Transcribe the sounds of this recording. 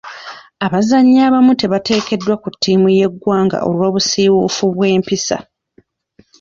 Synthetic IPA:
aβazaɲːaːβamute̞βate̞ːke̞dːwakutːiːmuje̞ɡːwaːŋɡa̰ʔo̞̰lwoːβusiːwufuβwe̞ːmpisa̰

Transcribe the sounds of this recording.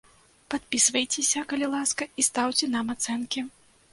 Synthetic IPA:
pat̪̚pʲisvɐjt͡sʲesʲɐkɐlʲilˠaskɐist̪awt͡sʲɛnamat̪sɛnkʲi

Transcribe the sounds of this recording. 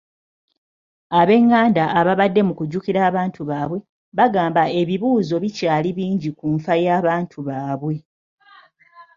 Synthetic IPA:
aβe̞ŋːaːndaʔːβaβadːe̞mukuɟːukiɾaːβaːntʰuβaːβwe̞ | βaɡaːmbae̞βiβuːzo̞βicaːliβiːɲɟikuːɱfajaːβaːntʰuβaːβwe̞

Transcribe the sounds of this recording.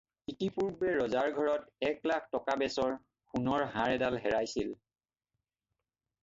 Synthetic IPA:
kitipuɹbɛɹɔzaɹɡʱɔɹɔtɛklak̚ʰtɔkabɛsɔɹ | xunɔɹɦãɹɛdalɦɛɹajsil

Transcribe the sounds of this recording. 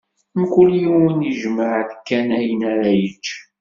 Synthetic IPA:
mkʊljiwəniʒməʕθkːænæjənaɾæjət͡ʃː

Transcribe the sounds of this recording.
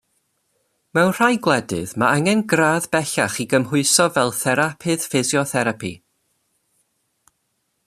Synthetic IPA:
mɛwnr̥ajɡlˠɛdɨ̰ðmaaŋɛnɡraːðbɛɬaχiɡəmɦʊɨsɔvɛlˠθɛɾapʰɨð̥fɪzjɔθɛɾapʰḭ

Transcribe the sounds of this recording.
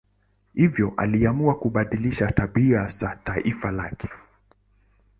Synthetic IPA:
hivjɔʔa̰liamuakuɓaɗiliʃataɓiazataʔifalakɛ̥

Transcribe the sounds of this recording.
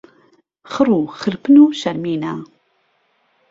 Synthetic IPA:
χəruːχəɾpɨnuːʃɐɾmiːnaː

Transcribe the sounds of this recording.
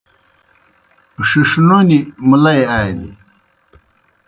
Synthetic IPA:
ʂiʂnonimulɐjaːnḭ

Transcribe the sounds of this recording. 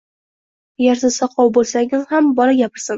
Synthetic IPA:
jaɾd̪asɑqʰɒwbolˠsaŋʲɪzhambɒlaɡʲapɪɾsɪn

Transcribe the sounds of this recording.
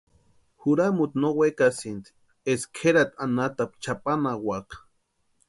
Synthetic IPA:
huɾamut̪nowekasint̪i̥ | eskʰeɾat̪anat̪ap̚t͡ʃapanawakḁ

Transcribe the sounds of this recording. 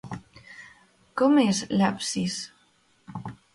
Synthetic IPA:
kɔmeslapsis

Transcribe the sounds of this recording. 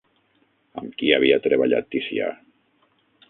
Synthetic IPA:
əmkiaβiat̪ɾeβaʎa̰t̪ːisḭa̰

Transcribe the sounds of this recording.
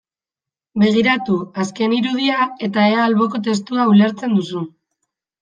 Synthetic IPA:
be̞ɣ̞iɾat̪uaske̞niɾuð̞iae̞t̪ae̞aːlβo̞ko̞t̪e̞st̪uaule̞ɾt͡se̞nd̪usu

